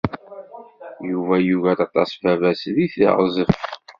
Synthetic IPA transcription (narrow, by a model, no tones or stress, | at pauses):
juvæjuvæt̪ɑt̪ˤːɑsˤvævæsðiθḭʁzˤəf